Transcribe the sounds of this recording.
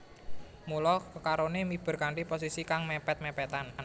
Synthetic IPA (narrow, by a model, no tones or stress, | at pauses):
mulɔkəkaɾonemib̥ə̤ɾkaɳʈipos̬isikaŋmɛpɛt̪̚mɛpɛt̪an